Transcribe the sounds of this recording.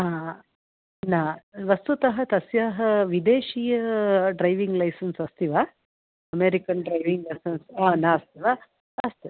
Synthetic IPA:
aː | naʋɐst̪ut̪ɐɦɐt̪ɐsjaːɦɐʋid̪eːʃijɐɖɾɐjʋiŋɡlɐjsɐnsɐst̪iʋaː | ɐmeːɾikɐnɖɾɐjʋiŋɡlɐjsɐnsaːnaːɐst̪iʋaː | ɐst̪u

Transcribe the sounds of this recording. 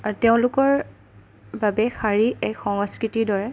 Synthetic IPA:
aɹuteʊ̃lʊkɔɹ | babɛxaɹiɛkxɔŋɔskɹitidɔɹɛ

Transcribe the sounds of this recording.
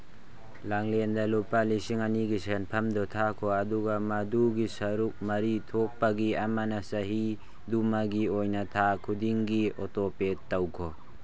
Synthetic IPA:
laŋlendɐlupalisiŋɐniɡisenpʰɐmdɔtʰakʰoɐduɡɐmɐduɡisɐɾuk̚mɐɾitʰok̚pɐɡiɐmanɐsɐɦi | dumaɡiojnɐtʰakʰudiŋɡiotopetːɐwkʰɔ

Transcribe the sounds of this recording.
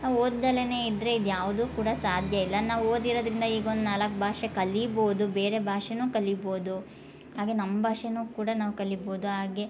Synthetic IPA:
naːʋoːd̪d̪ɐlene̞ːid̪ɾe̞id̪jaːʋud̪uːkuːɽɐsaːd̪ʱjɐilːɐnaːʋoːd̪iɾoːd̪ɾind̪ɐiːɡond̪unaːlɐkːbʱaːʂekɐlːiboːd̪ube̞ːɾe̞bʱaːʂenuːkɐlːibo̞ːd̪u | ɦaːɡe̞nɐmːɐbʱaːʂenuːkuːɽanaːʋukɐlːibo̞ːd̪uɦaːɡe̞

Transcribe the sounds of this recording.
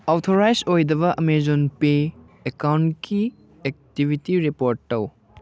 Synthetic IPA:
awtʰoɾajsojdɐβɐʔɐmezonpe | ekawntkʰi | ek̚tibʱitiɾipoɾtːɐw

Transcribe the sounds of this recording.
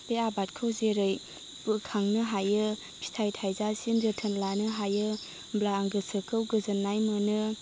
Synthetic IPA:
peabat̚kʰɯwzeɾɯj | bɯkʰaŋnɯɦajɯ | pʰi̥tʰajtʰajzasinzətʰənlanɯɦajɯ | blaːŋɡɯsɯkʰɯwɡɯzɐnːajmɯnɯ

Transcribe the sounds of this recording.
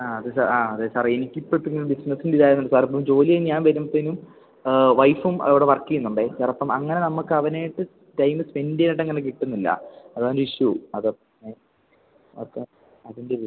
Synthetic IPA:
aːɐðɨsaaːɐðɨsaːrenikʲːipːɐt̪ːiŋːilumɖisnɐsːindiðaːjɾunːuɳɖɨsaːrɐp̬ːɐmd͡ʑo̞ːlijɐjinɲaːnʋɐɾumt̪ːenum | ʋɐjfumɐ̰ðoʋiɽeʋɐrkːijunːuɳɖesaːrɐpːɐmɐŋːɐnenɐmːukːɨɐʋɐneːjiʈːɨ | tɐjmɨspe̞ndijɐniʈːɐŋːɐnek̬iʈːunːilːɐ̰ɐðaːndeiɕjuɐðpː | e | ɐ̰t̪ːɐ | ɐðinde

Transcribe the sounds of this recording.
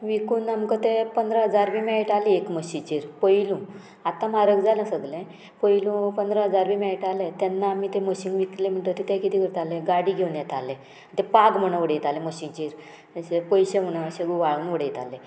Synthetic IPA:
ʋikuːnamkət̪epənd̪ɾəɦəd͡zaɾbimɛeʈaliekməɕĩt͡ɕiɾpəjlũ | at̪ãmaɾəɡd͡zalə̃səɡlẽ | pəjlũpənd̪ɾəɦəd͡zaɾʋimɛeʈalet̪ɛnːaːmit̪eməɕiŋɡʋiklem̤əɳt̪ət̪it̪ɛ̃kit̪ikəɾt̪alẽɡaɽiɡʱewnjɛt̪ʰalːẽ | t̪epaɡm̤əɽ̃ə̃ʋəɽejt̪alẽməɕĩt͡ɕiɾ | ɕepəjɕem̤əɽaɕeɡuʋaɭuːnʋəɽejit̪ale

